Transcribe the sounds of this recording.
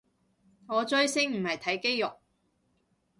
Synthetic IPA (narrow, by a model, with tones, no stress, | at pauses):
ŋɔː˨˧t͡ʃɵ˥ɥsɪ˥ŋm̩˨˩hɐ˨jt̪ʰɐ˨˥jke˥jjʊ˨k̚